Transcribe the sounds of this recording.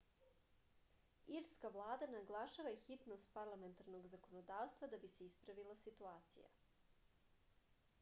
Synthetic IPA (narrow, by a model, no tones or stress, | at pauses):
iɾskavlˠaːd̪anaɡlˠaʃaʋaixit̪nost̪̚paɾlˠame̞nt̪aɾno̞ɡzako̞nod̪aːʋst̪vad̪abiseispɾaʋilˠasit̪uaːt̪sḭja̰